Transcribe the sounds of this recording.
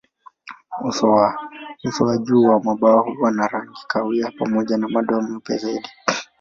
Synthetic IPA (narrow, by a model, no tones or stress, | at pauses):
usɔausɔaʄuwamwaɓaɔhuwanaɾaŋɡikawiapamɔʄanamaɗɔm̩m̩pja̰zaiɗi